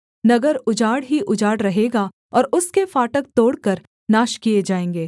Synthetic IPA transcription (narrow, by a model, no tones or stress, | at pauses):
nɐɡəɾʊd͡ʒaːɽɦiʔʊd͡ʒaːɽɾɐɦeːɡa | ɔːɾʊskefaːʈək̚t̪oːɽkəɾ | naːʃkijed͡ʒaːẽːŋɡeː